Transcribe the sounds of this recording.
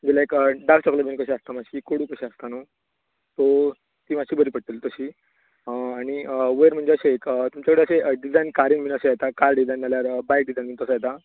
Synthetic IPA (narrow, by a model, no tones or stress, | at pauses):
d͡ʑilaekəɖak̚t͡ɕɔkləbenkəɕeast̪amaɕiːkoɽuːkəɕeast̪ano | t̪o | t̪iːmaɕiːbəɾiːpəɽ̚t̪iːlt̪əɕiː | əaɽ̃ñiəʋəjɾm̤əɳd͡zeəɕeekət̪umt͡ɕakəɽeəɕeʔəɖid͡zajnkaɾiːnminəɕejet̪akaɾɖid͡zajnːaljaɾəbajk̚ɖid͡zajinmit̪əsajet̪a